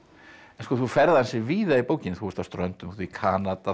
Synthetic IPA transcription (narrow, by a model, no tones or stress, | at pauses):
ɛnskɔθufɛɾðaɛnsɪviːðaipoːwcɪnθuvɛɾst̪awst̪ɾœnt̪ʏmθikʰaːnat̪a